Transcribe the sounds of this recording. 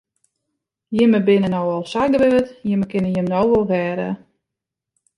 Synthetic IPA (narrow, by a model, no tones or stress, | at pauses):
jɪməbɪnənɔwɔlˠsaɡəʋøːətjɪməkɪnəjəmnɔwʋɔlˠʋɛːɾə̰